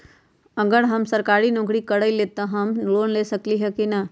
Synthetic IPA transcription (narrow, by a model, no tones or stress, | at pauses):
ɐɡəɽɦɐmsəɾkaːɾinɔ̃ːkɽikəɽəileːt̪aɦɐmloːnleːsɐkliɦɛkinɐ